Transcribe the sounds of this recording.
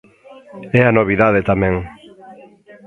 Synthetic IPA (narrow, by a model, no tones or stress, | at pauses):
ɛanoβ̞iðaðet̪amɛ̃ŋ